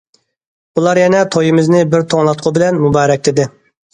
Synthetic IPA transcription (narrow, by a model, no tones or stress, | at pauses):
ulˠɑɾjɛnɛt̪ʰojɪmɪznɪbɪɾt̪ʰoŋlˠɑt̪̚qʰʊbɪlɛnmubɑːɾɛk̚ʲt̪ʰɪd̪ɪ